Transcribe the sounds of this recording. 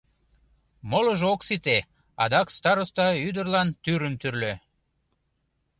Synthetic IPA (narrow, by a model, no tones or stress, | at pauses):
moləʒoksit̪e | ɑ̰d̪ɑkst̪ɑɾost̪ɑyd̪ərlɑnt̪yɾəmt̪yrlø